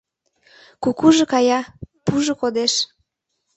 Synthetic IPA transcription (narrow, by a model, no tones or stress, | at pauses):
kukuʒĕkɑjɑpuʒŏkod̪eʃ